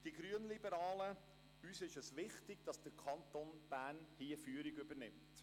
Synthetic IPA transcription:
d̥iɡɾyənlibəɾɑːlə | yːsɪʃəsʋɪχtɪɡ̥d̥ɑsd̥əɾkʰɑnt̪onb̥æːnhiːəfyːəɾiɡʏbəɾnɪmt

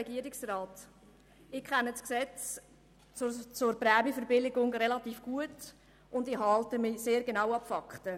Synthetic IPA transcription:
ɛɡiəɾɪksraːt | ɪkʰχɛnəsksɛt͡s | t͡sʊɾpɾɛːmifəɾbɪlɪɡʊŋɾɛlɑtiːfɡ̥uət | ʊndɪhɑltəmɪseːɾɡenawɑpfɑktə

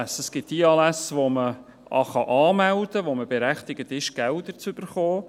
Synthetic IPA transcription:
səsɡ̥ɪt̚d̥iɑːlæsʋomə | ʔɑ̰χɑʔɑːmæld̥̪əʋoməbeɾæχtɪɡ̥ət̪ɪʃɡ̥æld̪əɾt͡sʏb̥əɾχɔː

